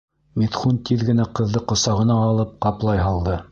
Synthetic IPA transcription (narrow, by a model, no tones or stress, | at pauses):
mit̪χunt̪iðɡɘ̆næqɤ̆ðːɤqŏsɑʁɤ̆nɑːlˠɤp̚qɑplˠɑjɦɑlˠd̪ɤ